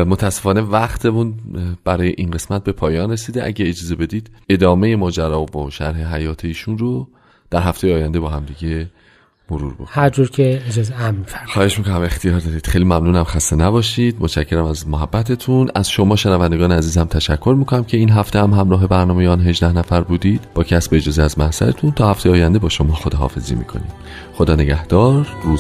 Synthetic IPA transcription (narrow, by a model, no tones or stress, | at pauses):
mot̪ʰæsːefɒːne̞væχt̪ʰemunb̥æɾɒːje̞ʔinɢe̞smæt̪̚be̞pʰɒːjɒːnre̞siːd̪eʔæ̰ɟeed͡ʒɒːze̞bed̪iːd̪̥e̞d̪ɒːme̞jemɒːd͡ʒæɾɒːvoʃæ̰ɾɦe̞ɦæjɒːt̪ʰeiːʃunro | d̪̥æɾɦæft̪e̞jeːjænd̪ebɒːhæmd̪iɟe̞ | moɾṵːɾbo̰khæɾd͡ʒuɾcʰeed͡ʒɒːzeæmːifæɾmxɒːhe̞ʃmiːkonæme̞xt̪ijɒːɾd̪ɒd̪iːd̪̥xe̞jlimæmnuːnæmxæst̪enæbɒːʃiːd̪̥̚mot̪ʃæcʰːe̞ɾæmæzmoɦæbːæt̪ʰe̞t̪ʰunæzʃo̞mɒːʃenævænd̪e̞ɡɒːneæziːzæmt̪ʰæʃækʰːo̞ɾmiːkʰo̞næmcʰe̞iːnɦæft̪ehæmɦæmɾɒːɦe̞bæɾnɒːmejeɒːnɦe̞ʒd̪æhnæfæɾbuːd̪iːd̪̥bɒːcʰæsbeːd͡ʒɒːzeæzmæhzæ̰ɾet̪ʰunt̪ʰɒːhæft̪ejeːjænd̪ebɒːʃo̞mɒːxod̪eɦɒ̰ːfe̞̰zḭːmḭkʰo̞̰nḭːm | xod̪ɒːne̞ɟæhd̪̥ɒːɾːuːz